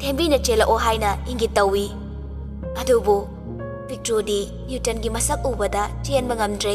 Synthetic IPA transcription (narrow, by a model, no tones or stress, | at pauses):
tʰembinɐt͡ʃelɐʔoɦajnɐiŋɡitɐwːi | ɐdubu | b̥ʱik̚tɾodi | jutɐnɡimɐsɐk̚uwbɐdɐt͡ʃienbɐŋɐmdɾe